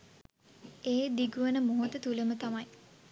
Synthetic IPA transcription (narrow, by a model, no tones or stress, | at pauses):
eːd̪iɡuʋənəmoɦot̪ət̪uləmət̪amaj